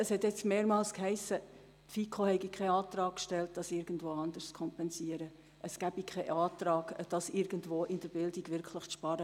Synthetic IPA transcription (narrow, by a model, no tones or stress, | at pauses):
əshɛtjɛt͡stmeːɾmɑːlskhɛɪsə | tfikʰohɛɪɡikʰɛɪɑːtrɑːkkʃtɛlt̚d̥ɑsɪɾɡəndvoːɑndəst͡skʰɔmpɛnsiəɾə | ʔəsɡ̥æb̥ikʰɛɪʔɑːtrɑːɡ̥d̥ɑsɪɾɡ̥əndʋoːʔɪnd̥əɾbɪldiɡʋɪɾkʰlɪχʃpɑɾə